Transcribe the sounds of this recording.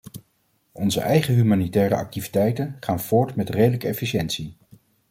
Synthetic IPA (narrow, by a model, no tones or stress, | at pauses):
ɔnzə̰ʔɛjχəɦymaːnitɛːɾə̰ɑ̰k̚tivitɛjtənχaːnv̥ʊːɹtmɛtrejdələkəɛfiʃɛntsi